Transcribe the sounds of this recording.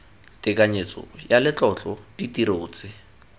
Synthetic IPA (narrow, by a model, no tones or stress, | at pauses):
tɪkʼaɲet͡sɔ̰jalɪt͡ɬɔt͡ɬɔpitiɾoːt͡sɪ